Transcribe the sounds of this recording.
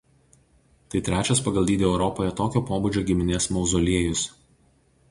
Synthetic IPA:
t̪ɐɪt̪ʲɾʲæːt͡ʃʲɛspɐɡɐlˠd̪ʲiːd̪ʲeɛʊɾɔpoːjɛt̪oːkʲoːpoːbʊd͡ʒʲoːɡʲɪmʲɪnʲeːsmɐʊzɔlʲiɛjʊs

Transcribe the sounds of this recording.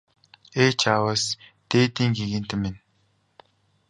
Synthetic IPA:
eːt͡ɕʰawəst̪eːt̪iːŋɡiɣɘ̆n̥t̪ɘmːen

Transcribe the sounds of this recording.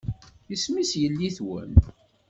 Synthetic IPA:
jəsmisjəlːiθwə̰m

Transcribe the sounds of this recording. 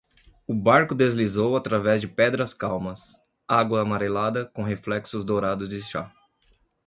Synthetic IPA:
ʊbaɾkʊd̪ezlizowat̪ɾavɛzd͡ʒɪpɛd̪ɾɐskawmɐs | aɡwɐːmaɾelad̪ɐkõɦeflɛksʊzd̪oɾad̪ʊzd͡ʒɪʃa̰

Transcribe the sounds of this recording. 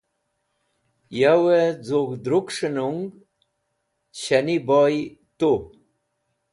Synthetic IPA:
jawed͡zoɡd̪ɾukʂinuŋɡ | ɕanibojt̪o

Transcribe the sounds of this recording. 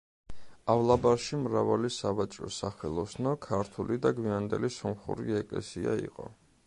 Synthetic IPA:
avlˠabaɾʃimɾavalisavat͡ʃʼɾɔsaχɛlˠɔsnɔkʰaɾt̪ʰulid̪aɡwiand̪ɛlisɔmχṵɾḭɛkʼlɛ̰siaḭqʼɔ̰

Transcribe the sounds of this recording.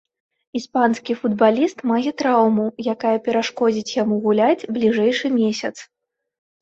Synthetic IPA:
ispanskʲifud̪̚balʲist̪maɣʲɛt̪ɾawmujakajɐpʲɛɾaʂkɔd͡zʲit͡sʲjamuɣulʲad͡zʲblʲiʐɛjʂɨmʲesʲɐt̪s

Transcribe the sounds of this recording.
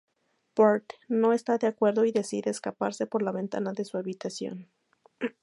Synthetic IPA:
poɾt̪no̞e̞st̪aðeakwe̞ɾðo̞iðe̞siðe̞ːskapaɾse̞po̞ɾlaβe̞nt̪a̰naðe̞suaβit̪asjo̞̰n

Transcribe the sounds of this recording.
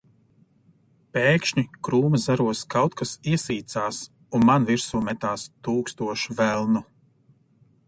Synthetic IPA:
peːkʃɲikɾuːmazaɾuɔskawt̪kasiɛsiːt̪saːs | unmanviɾsuːmɛt̪aːst̪uːkst̪uɔʃuvælˠnu

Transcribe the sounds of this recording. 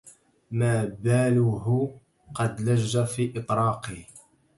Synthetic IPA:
maːbaːlʊɦʊ | qɑd̪laʒːafiːʔɨt̪ˤɾˤɑːqi

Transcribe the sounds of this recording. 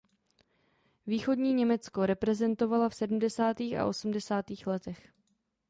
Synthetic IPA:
viːxo̞dɲiːɲɛmɛt͡sko̞ɾɛpɾɛzɛnt̪o̞valafsɛdm̩dɛsaːt̪iːxa̰ʔo̞sm̩dɛsaːt̪iːxlɛt̪ɛx

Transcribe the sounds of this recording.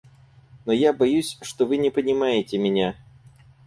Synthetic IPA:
nojabɐjusʲʂt̪ovɨnʲɪpənʲɪmajɪtʲɪmʲɪnʲa

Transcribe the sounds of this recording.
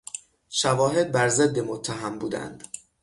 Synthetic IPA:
ʃævɒːɦe̞d̪̚bæɾze̞d̪ːemot̪ʰːæɦæmbuːd̪æ̰nd̪̥

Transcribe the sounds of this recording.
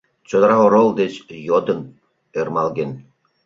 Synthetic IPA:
t͡ɕod̪ɾɑʁoɾolˠd̪et͡ɕjod̪ə̆n | ermɑlˠɡen

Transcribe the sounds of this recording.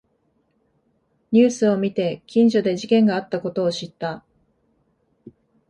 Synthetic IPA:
ɲ̟ɨːsɨo̞mʲit̪e̞kʲĩɲ̟d͡ʑo̞d̪e̞ʑikẽ̞ŋɡaːt̪ːako̞t̪o̞ːɕit̪ːa

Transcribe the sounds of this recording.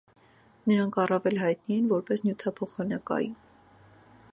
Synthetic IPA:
nəɾɑŋkʰɑrɑvɛlɦɑjt̪niɛnvɔɾpɛsnjut̪ʰɑpʰɔχɑnɑkɑ̰jum

